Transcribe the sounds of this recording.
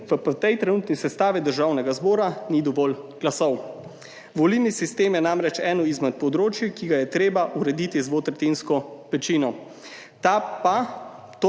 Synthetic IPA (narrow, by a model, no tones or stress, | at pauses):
ʋəpt̪ɛjt̪ɾɛnuːt̪nisɛst̪aːʋid̪əɾʒaːwnɛɡazbɔːɾanid̪ɔʋɔːlɡ̥lasɔw | ʋɔlilnisist̪eːmjɛnamɾɛt͡ʃɛːnɔizmɛt̪̚pɔd̪ɾoːt͡ʃjikiɡajɛt̪ɾeːbaʔuɾɛd̪it̪izʋot̪ɾɛt̪inskɔʋɛt͡ʃinɔ | t̪apa | t̪